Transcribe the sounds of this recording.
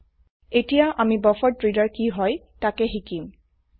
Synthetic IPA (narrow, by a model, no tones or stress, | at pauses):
etijaʔamibɔfɔdɹidaɹkiɦɔj | takɛɦikim